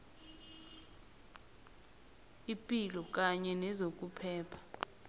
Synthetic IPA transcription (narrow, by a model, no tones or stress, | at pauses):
ipʼilɔk̬ʼaɲɛnɛzokʼupʰɛːpʰḁ